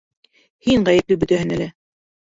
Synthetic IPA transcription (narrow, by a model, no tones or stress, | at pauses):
hiŋʁæjɘ̆p̚lɘbɵ̆t̪æhɘnælæ